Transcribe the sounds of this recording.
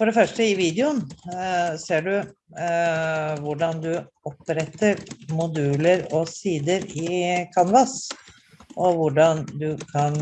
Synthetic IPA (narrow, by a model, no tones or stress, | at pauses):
fɔɖɛfœʂʈəɪʋiːd̪ɛʊn | seːɖʉ | ʋʊɖɑnd̪ʉ | ɔpɾɛt̪ːəɾmʊd̪ʉːləɾɔsiːd̪əɾɪkʰɑnʋɑs | ʔɔʋʊɖɑnd̪ʉkʰɑn